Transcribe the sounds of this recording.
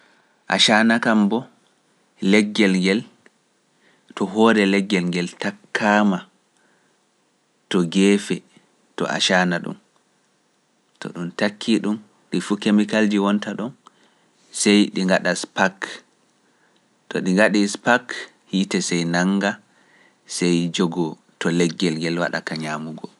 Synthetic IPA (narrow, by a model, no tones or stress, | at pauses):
ʔa̰ʃanakambɔ | lɛɡːɛlŋɡɛl | tɔɦɔɾɛlɛɡːɛlŋɡɛltakʰːaːma | tɔɡɛːfɛ | tɔ̰ʔa̰ʃanaɗṵm | tɔ̰ɗumtakʰːiɗum | ɗifukemikald͡ʒiwɔntaɗɔn | sɛjɗiŋɡaɗaspak | tɔɗiŋɡaɗispak | hitɛsɛjnaŋɡa | sɛjd͡ʒɔɡɔ | tɔlɛɡːɛlŋɡɛlwa̰ɗa̰kaɲaːmuɡɔ